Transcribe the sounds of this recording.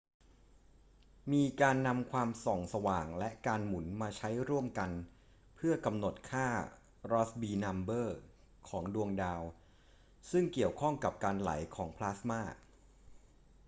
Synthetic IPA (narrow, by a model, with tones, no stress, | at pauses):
miː˧kaː˧nːa˧mkʰwaː˧msɔ˨˩ŋsa˧waː˨˩ŋlɛ˦˥ʔkaː˧nmu˩˦nmaː˧t͡ɕʰa˦˥jɾu˥˩əmka˧n | pʰɯ˥˩ɐka˧mno˨˩t̪̚kʰaː˥˩ | ɾɔː˦˥sbiː˧na˧mbɤː˥˩ | kʰɔː˩˦ŋdu˧əŋdaː˧w | sɯ˥˩ŋki˨˩əwkʰɔ˥˩ŋka˨˩p̚kaː˧nla̰˩˦jkʰɔː˩˦ŋpʰlaː˦˥smaː˥˩